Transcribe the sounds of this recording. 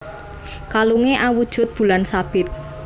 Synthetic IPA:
kaluŋeʔawud̥ʒ̥ʊ̤t̪̚b̥ṳlansab̥ɪt̪̚

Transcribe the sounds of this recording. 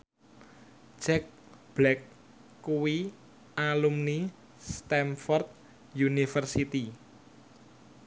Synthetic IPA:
t͡ʃɛk̚ | b̥lɛkː | uwi | ʔalumni | st̪ɛmfɔrt̪̚ | junifərsit̪i

